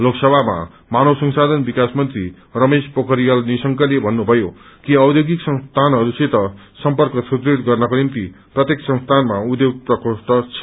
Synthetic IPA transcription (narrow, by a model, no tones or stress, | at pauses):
loksʌbʱama̰ | manosʌŋsad̪ʱʌnbikasmʌnt̪ri | rʌmespʌkʌɾijʌlnisʌŋkʌlebʱʌnːubʱʌjo | kiʌwd̪joɡiksʌ̃ŋst̪ʰanɦʌɾuset̪ʌ | sʌmpʌrkʌsʰut̪ɾiɾt̪ɡʌrnʌkonimt̪i | prʌt̪jeksʌ̃ŋst̪ʰanmaud̪joɡ̚t̪ʌkosʈ̪ʌt͡sʰʌ̥